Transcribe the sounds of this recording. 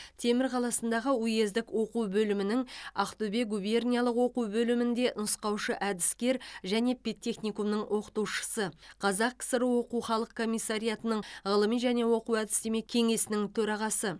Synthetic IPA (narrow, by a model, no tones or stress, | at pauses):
t̪ʰe̞mɪɾqʰɑlˠɑsənd̪ɑʁəuje̞zd̪ɪkwo̞quwbɵlɪmɪnɪŋɑqt̪ube̞ɡube̞rnʲijalˠəqwo̞quwbɵlɪmɪnd̪e̞ʔnəsqɑwʃəʔæd̪ɪskʲe̞ɾʒæne̞pʲet̪ʲːe̞χnʲikumnəɴwʔo̞qə̥t̪uwʃə̥səqʰɑzɑqːsəɾəwo̞quwχɑlˠəq̚kʰːo̞mʲijsːaɾijat̪ənəɴʁəlˠəmijʒæne̞wo̞quwæd̪ɪst̪eme̞kʲʰe̞ŋe̞sɪnɪŋt̪ʰɵɾɑʁɑsə